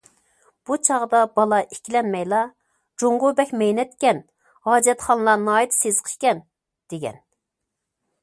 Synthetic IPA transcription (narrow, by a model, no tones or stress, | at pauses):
b̥ut͡ʃʰɑʁd̪ɑbɑlˠɑʔi̥kʲilɛnmɛjlˠɑ | d͡ʒoŋʁobɛkʲmɛjnɛt̪kʲɛn | hɑːd͡ʒɛt̪χɑnlˠɑnɑːjit̪sezqʰə̥ʃkʲɛn | d̪̥eɡʲɛ̰n